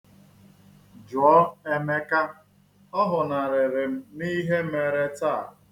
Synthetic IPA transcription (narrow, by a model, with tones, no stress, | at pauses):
d͡ʒʊ˨ɔ˦e˦me˦ka˦ | ɔ˦ɦʊ˨na˨ɾɪ˨ɾɪ˨m̩˦ni˦ɦe˦m̩e˨ɾe˦ta˦˨